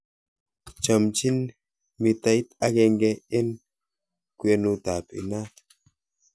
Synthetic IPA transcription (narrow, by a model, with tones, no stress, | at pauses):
t͡ʃə˨mt͡ʃi˦n | mi˨ta˦jta˦kɛ˧ŋɡɛ˦ɪ˦n | kwe˦nu˦ta˨pḭ˨na˦